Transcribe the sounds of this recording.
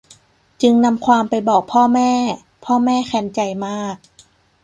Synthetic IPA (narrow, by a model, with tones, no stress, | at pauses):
t͡ɕɯ˧ŋna˧mkʰwaː˧mpa˧jbɔː˨˩k̚pʰɔː˥˩mɛː˥˩ | pʰɔː˥˩mɛː˥˩xʰɛ˧nt͡ɕa˧jmaː˥˩k̚